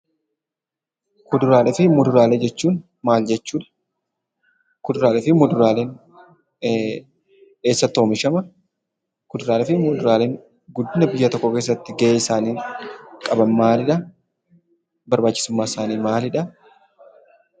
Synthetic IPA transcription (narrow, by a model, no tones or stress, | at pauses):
kʊd̪ʊɾaːlɛfɪmʊd̪ʊɾaːled͡ʒɛt͡ʃːuːn | maːld͡ʒɛt͡ʃːuːᶑɐ̥ | kʊd̪ʊɾaːlɛfɪmʊd̪ʊɾaːle̞ːn | eːsːɐt̪ːoːmɪʃɐmɐ | kʊd̪ʊɾaːlɛfɪmʊd̪ʊɾaːle̞ːŋ | ɡʊd̪ːɪnɐbɪjːɐt̪ɔkːɔke̞ːs̬ːɐt̪ːɪɡɐʔeːɪsaːniːkʼɐbɐnmaːlɪᶑɐ | bɐɾbaːt͡ʃːɪsʊmːaːɪsaːniːmaːlɪᶑɐ